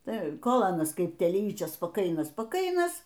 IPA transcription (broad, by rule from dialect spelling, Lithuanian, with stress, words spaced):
ˈtɐɪ ˈkoːlˠ ˈɑːnɐs ˈkɐɪp tʲɛlʲiːt͡ʃʲoːs spɐˈkɐɪnɐs spɐˈkɐɪnɐs